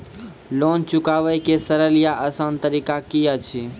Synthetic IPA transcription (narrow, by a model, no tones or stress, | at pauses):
lont͡ʃʊkaʋəjkesəɾəlijaʔəsãnt̪əɾikakijat͡ʃʰi